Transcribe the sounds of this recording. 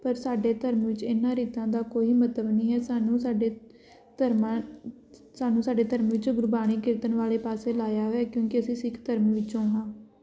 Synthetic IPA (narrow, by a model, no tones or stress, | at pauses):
pəɾsaːɖeːt̪əɾmʋɪt͡ʃɪnːãːɾiːt̪ãːd̪aːkoːiːmət̪ləbnĩːɦɛːsaːnũːsaːɖeː | t̪əɾma | saːnũːsaːɖeːt̪əɾmʋɪt͡ʃːɡʊɾbaːɽ̃iːkɪɾt̪ənʋaːleːpaːseːlaːjaːɦoːɛːkjõːkɪəsĩːsɪkʰt̪əɾmʋɪt͡ʃõːɦãː